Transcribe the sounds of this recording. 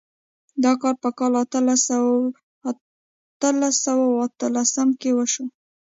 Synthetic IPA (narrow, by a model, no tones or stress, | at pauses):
d̪ɑkɑɾpəkɑlat̪l | t̪əlasawawat̪əlasəmkewəʃo